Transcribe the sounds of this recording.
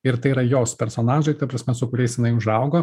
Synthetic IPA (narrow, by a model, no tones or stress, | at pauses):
ɪɾt̪ɐɪiɾɐjoːspʲɛɾsoːnɑːʒɐɪkɐpɾɐsʲmʲɛsʊkʊɾʲɛɪsjɪnɐɪʊʒɐʊɡoː